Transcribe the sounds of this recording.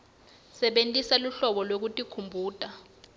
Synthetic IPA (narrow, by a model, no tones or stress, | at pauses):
sɛɓentʼisaluɬɔɓɔlwok̬utʼikʰumbʱuːtʼa